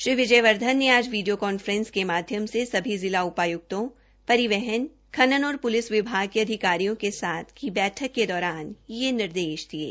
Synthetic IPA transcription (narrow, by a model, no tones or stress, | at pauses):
ʃɾiːʋɪd͡ʒəjʋɐɾd̪ʱənːeaːd͡ʒʋiːɖijokɔːnfəɾɛ̃nskemaːd̪ʱjəmsesɐbʱizɪlaʊpaːjʊk̚t̪õ | pɐɾɪʋɛɦɛn | kʰɐnənɔːɾpʊlɪsʋɪbʱaːɡ̚keɐd̪ʱɪkaːɾijõkesaːt̪ʰkibɛːʈʰəkːed̪ɔːɾaːnjenɪɾd̪eːʃd̪iḛː